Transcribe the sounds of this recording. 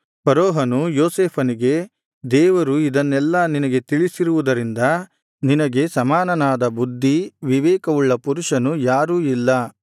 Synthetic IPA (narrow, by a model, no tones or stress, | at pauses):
pɐɾoːɦɐnujoːseːpʰɐniɡe̞ | d̪ɛːʋɐɾuid̪ɐnːɛlːɐninɐɡe̞t̪iɭisiɾuʋud̪ɐɾind̪ɐ | ninɐɡe̞sɐmaːnɐnaːd̪ɐbud̪ʱːiʋiʋɛːkɐʋuɭːɐpuɾuʂɐnujaːɾuːilːɐ